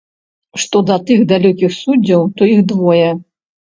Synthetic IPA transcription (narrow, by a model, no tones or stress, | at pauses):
ʂt̪ɔd̪ɐt̪ɨɣd̪alʲɔkʲixsud͡zʲːɐwt̪ɔiɣd̪vɔjɛ